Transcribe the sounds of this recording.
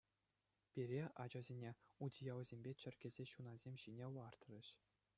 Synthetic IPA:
pʲirʲeɑd͡ʑɑzʲenʲeudʲijɑwzʲemʲbʲet͡ɕɘ̆rʲɡʲezʲeɕunɑzʲemʲɕinʲelɑrt̪rʲɘ̆ɕ

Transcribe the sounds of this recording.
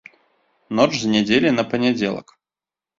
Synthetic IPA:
not͡ʂzənʲɪdʲelʲɪnəpənʲɛdʲelˠə̰k

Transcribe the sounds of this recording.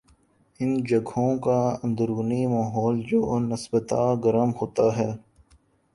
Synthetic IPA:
ɪnd͡ʒɐɡʱõkaɐ̃nd̪əɾuʊːnimaːɦɔːld͡ʒoːnɪsbət̪aɡɐɾəmɦoːt̪aɦɛː

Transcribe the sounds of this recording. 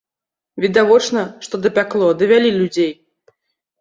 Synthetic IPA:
vʲid̪avɔt͡ʂnɐʂt̪ɔd̪ɐpʲaklˠɔd̪ɐvʲalʲilʲud͡zʲej

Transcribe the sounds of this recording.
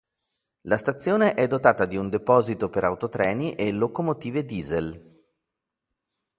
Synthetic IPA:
last̪at̪sːjoːneʔɛd̪ːot̪aːt̪ad̪iund̪epɔːzit̪opeɾawt̪ot̪ɾɛːniʔelokomot̪iːved̪iːzel

